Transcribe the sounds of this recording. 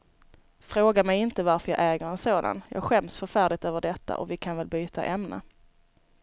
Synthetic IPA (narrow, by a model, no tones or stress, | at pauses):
fɾoːɡamɛjɪnt̪əvaɾfœɾjɑ̰ːʔɛːɡəɾɛnsoːd̪a̰njɑ̰ːɡɧɛmsfœɾfæːɖɪt̪øːvəɖɛt̪ʰːa̰ʔɔvɪkʰanvɛlbyːt̪ʰa̰ʔɛmnə̰